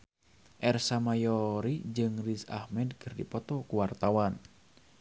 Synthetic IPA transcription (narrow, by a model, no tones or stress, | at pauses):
ʔɛrsamajɔɾid͡ʒɨŋrisa̰hmɛdkɨrdḭpɔt̪ɔkuwart̪awan